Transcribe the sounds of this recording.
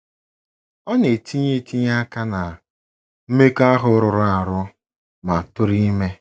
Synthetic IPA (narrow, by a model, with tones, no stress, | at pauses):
ɔ˦ne˨tʰi˦ɲe˦˨ti˦ɲa˦ka˦na˨ | m̩˦me˦ka˦ɦʊ˦ɾʊ˨ɾʊ˦a˨ɾʊ˦ | ma˨tʊ˦ɾi˦me˦